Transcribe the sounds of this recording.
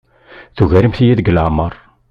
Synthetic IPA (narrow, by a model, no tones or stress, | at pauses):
θuʝæɾəmθijæðəɡəlaʕmɑɾˤ